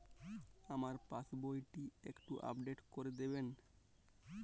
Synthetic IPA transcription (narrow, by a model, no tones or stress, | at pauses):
amaɾpasbojʈiekʈuʔa̰pɖeʈkoɾed̪eben